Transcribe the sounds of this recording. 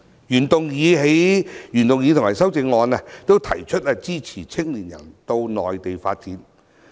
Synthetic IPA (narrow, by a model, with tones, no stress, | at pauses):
jyː˨˩nt̪ʊ˨ŋjiː˨˧ɦe˨˥jjyː˨˩nt̪ʊ˨ŋjiː˨˧t̪ʊ˨ŋmaː˨˩sɐ˥wt͡sɪ˨˧ŋːɔː˨˧nɛ˧t̪o˥wt̪ʰɐ˨˩jt͡ʃʰɵ˥t̚ɛ˧t͡siː˥t͡sʰiː˨˩t͡sʰɪ˥ŋli˨˩njɐ̰˨˩nt̪o˧wnɔː˨jt̪e˨jfaː˧t̚t͡siː˨˥n